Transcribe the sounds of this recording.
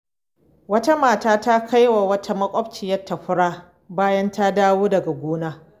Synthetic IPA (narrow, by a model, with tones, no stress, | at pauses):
wɐ˦ta˦maː˨taː˦ta˦kʰa˦jwa˨wɐ˦tʰa˦mɐ˦kʷʼɔ˦bt͡ʃɪ˨jɐ˦rtːa˨ɸʊ˦ɽaː˦ | baː˦jɐ˦nta˦daː˦woː˦dɐ˨ɡa˨ɡʷoː˦naː˦